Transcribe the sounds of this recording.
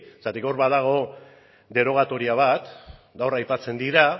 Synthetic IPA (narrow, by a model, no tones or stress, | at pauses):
sat̪iko̞ɾβaðaɣ̞o̞ | d̪e̞ɾo̞ɣ̞at̪o̞ɾiaβ̞at̪ | ɡawrajpat͡se̞nd̪iɾa